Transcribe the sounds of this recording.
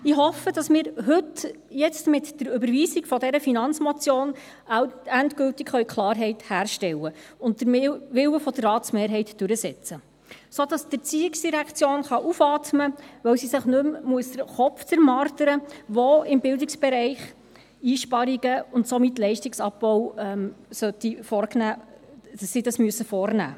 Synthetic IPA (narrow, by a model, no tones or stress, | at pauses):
ɪɦɔfəd̥ɑsmɪːɾɦɵt | jɛt͡stmɪtd̥əɾʏbəɾʋiːsikfɔdɛɾəfinɑnt͡smɔt͡sjoːn | æntkɵltɪkχœɥkʰlˠɑːɾɦɛɪthæːɾʃtɛwəʊnt̚d̥əɾʋɪwəfɔd̥ərɑːtsmeːɾɦɛɪtd̥ʉɾəsɛt͡sə | sod̥ɑsd̥ɪt͡siːɪksd̥iɾækʰt͡sjoːnχɑʔufɑːtməʋœwsisɪχnɵmmuəsd̥əɾχɔpft͡səɾmɑːɾtəɾəʋoɪmbɪldɪksb̥ɛɾɛɪχ | iːʃpɑɾiɡ̥əʊntsomɪtlɛɪʃtɪksɑpbɔwɛmsœt̪ifɔɾknæːd̥ɑsːidɑsmyəsəfɔːɾnæ̰ː